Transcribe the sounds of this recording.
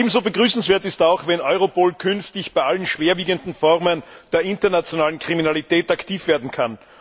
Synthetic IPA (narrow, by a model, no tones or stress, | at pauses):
eːbm̩zoːbəɡʁyːsn̩sv̥eːɐtɪstaʊxvɛnʔɔʏʁopoːlkʰʏnftɪçb̥aɪʔalənʃv̥eːɐviːɡəndn̩fɔʁmənd̥eːɐʔɪntɐnat͡sjonaːlənkʁ̥iminalitɛːtaktʰiːfv̥eːɐdn̩kʰan